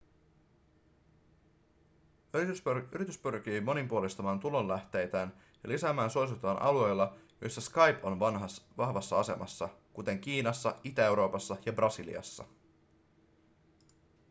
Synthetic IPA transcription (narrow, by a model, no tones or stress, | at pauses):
y̰ɾit̪yspyrk̟iːmo̞nimpuolist̪ɑmɑːnt̪ulo̞nlæht̪e̞jt̪æːn | jɑlisæːmæːnsosut̪ːˑɑːnʔɑ̰lue̞jlːɑjo̞̰jsːæskɑjpo̞nnɦɑʋɑhʋɑsːɑɑse̞̰mɑ̰sːɑkut̪e̞ŋk̟iːnɑsːɑit̪æe̞wɾo̞ːpɑsːɑjɑbrɑsilḭɑ̰sːɑ̰